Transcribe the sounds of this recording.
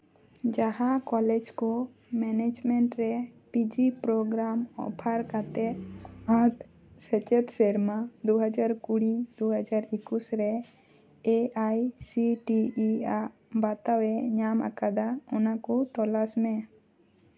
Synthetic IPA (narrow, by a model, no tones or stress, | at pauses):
d͡ʒaɦakɔled͡ʒkɔ | mɛned͡ʒmɛɳʈɾɛpid͡ʒipɾoɡɾamɔ̰pʰaɾkat̪eaɾt̪ʰ | sɛt͡ʃet̪seɾmãd̪oɦəd͡ʒaɾkuɽid̪oɦəd͡ʒaɾikusɾɛ | eʔajsiʈia | bat̪awɛɲama̰kad̪aunakɔt̪ɔlasmẽ